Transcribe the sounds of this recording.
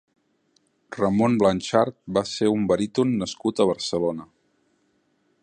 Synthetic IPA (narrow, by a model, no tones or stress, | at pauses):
rəmonblənʲʃaɾt̪̚baseumbəɾit̪unːəskut̪əβ̞əɾsəlonə